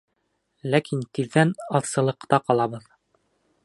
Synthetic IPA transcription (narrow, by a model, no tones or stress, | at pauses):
lækint̪iðːænɑðsɤ̆lˠɤ̆qt̪ɑqɑlˠɑβɤð